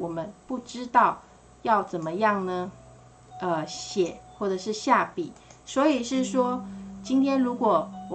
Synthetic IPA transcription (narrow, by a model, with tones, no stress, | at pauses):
wɔ˨˩mə˦npu˥˩ʈ͡ʂɻ̩˥t̪ɑ˥˧ʊ | jɑ˥˩ʊt͡sə˨˩nmə˦jɑ˥˩ŋnə˧ | ə˧ɕjɛ˨˩˦xwɔ˥˩ʈ͡ʂə˨˩ʂɻ̩˥˧ɕja˥˩pi˨˩˦swɔ˧˥i˨˩ʂɻ̩˥˩ʂwɔ˥t͡ɕi˥nt̪ʰjɛ˥nɻu˧˥kwɔ˨˩w